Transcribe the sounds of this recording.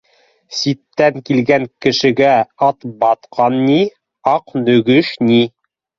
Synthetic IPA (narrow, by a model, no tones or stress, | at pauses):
sit̪ːæŋkilɡæŋkɘ̆ʃɘ̆ɡæɑt̪bɑt̪qʰɑnːi | ɑqnɵ̆ɡɵʃni